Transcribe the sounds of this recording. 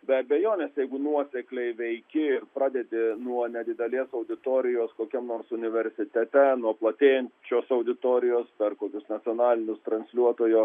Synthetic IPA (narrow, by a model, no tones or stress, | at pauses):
bʲɛɐbʲɛjoːnʲɛːsjɛɪɡʊnuɔsʲɛklʲɛɪʋʲɛɪkʲɪɪrpɾɑːd̪ʲɛd̪ʲɪnuɔnʲɛd̪ʲɪd̪ʲɛlʲeːsɐʊd̪ʲɪt̪oːɾʲɪjoːskoːkʲɛmnoːrsʊnʲɪʋʲɛɾʲsʲɪt̪ʲɛt̪ʲɛnuɔplˠɐt̪ʲeːjɛnʲt͡ʃʲoːsɐʊd̪ʲɪt̪oːɾʲɪjoːspʲɛrkoːkʲʊsnɐsʲɪoːnɑːlʲɪnʲʊst̪ɾɐnʲsʲlʲuɔt̪oːjoː